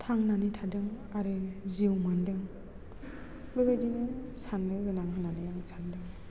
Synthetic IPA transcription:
tʰaŋnanitʰadɯŋ | aɾɯziwmandɯŋ | bɯbajdinɯsanlɯɡɯnaŋɦɯnanɯjaŋsʰandɯŋ

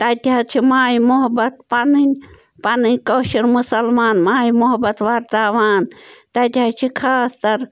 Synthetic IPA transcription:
t̪ɐt̪ʲiɐt͡ʃʰimaːimʊɦɐbɐt̪̚pɐnɨnʲ | pɐnɨnʲkoːʃiɾmusɐlmaːnmaːimuɦɐbɐt̪ʋaːɾt̪aːʋaːnt̪ɐt̪ʲat͡ʃʰikʰaːst̪ɐɾ

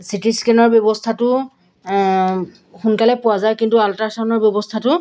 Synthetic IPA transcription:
sitiskenɔɹbjɔbɔstʰatʊ | xunkalɛpʊazajkintualtaɹsanɔɹbjɔbɔstʰatʊ

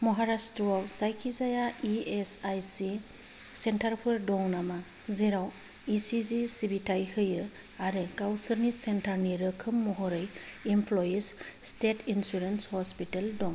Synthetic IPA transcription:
mɔɦaɾastɾɔawsajkʰizajaiesajsi | sentaɾpʰuɾdɔŋnama | zeɾaw | isizisibitʰajhɯjɯ | aɾɯkawsɯɾnisentʰaɾniɾɯkʰɯmːɔɦɔɾɯjimpʰlojes | stetʰinsuɾenshɔspiteldɔŋ

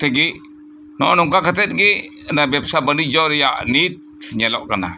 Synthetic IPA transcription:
t̪ɛɡi | nɔnuŋkakat̪ɛt̪̚ɡinabɛpsabanid͡ʒɔɾja̰ʔnit̪̚ɲalɔ̰ʔkana̰

